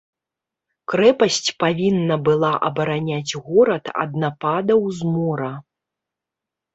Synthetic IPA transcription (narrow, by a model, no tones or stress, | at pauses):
kɾɛpɐsʲt͡sʲpavʲinːɐbɨlˠaʔɐ̰bɐɾanʲad͡zʲɣɔɾɐt̪ɐ̰d̪napad̪ɐwzmɔɾɐ